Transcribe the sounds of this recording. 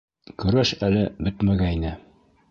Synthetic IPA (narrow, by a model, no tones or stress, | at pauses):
kɵ̆ɾæʃælɘbɵt̪mæɡæinɘ